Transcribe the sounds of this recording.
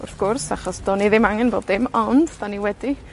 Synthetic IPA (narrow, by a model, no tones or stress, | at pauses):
ʊ̰rθɡ̥ʊrsaχɔsd̥ɔniðɪmaŋɛnboːdðɪmɔnd̥daniwɛdi